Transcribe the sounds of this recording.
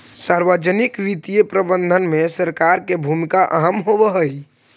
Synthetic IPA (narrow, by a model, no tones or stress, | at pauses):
saɾʋəd͡ʒənikʋit̪ijepɾəbənd̪ʱənmesəɾkaɾkebʱumikaʔə̰ɦəmɦobəɦəj